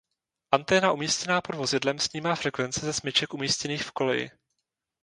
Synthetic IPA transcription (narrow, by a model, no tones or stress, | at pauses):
ʔant̪ɛːnaʔumiːscɛnaːpo̞dvo̞zɪdlɛmsɲiːmaːfɾɛkvɛnt͡sɛzɛsmɪt͡ʃɛkumiːscɛniːxfko̞lɛjɪ̰